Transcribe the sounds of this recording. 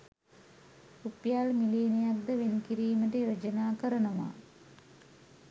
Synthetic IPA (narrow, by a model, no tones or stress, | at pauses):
upːjaːɭmileːnijaːkd̪ɐʋenkiɾiːmɐdejod͡ʑɐnaːkɐɾɐɳɐma̰ː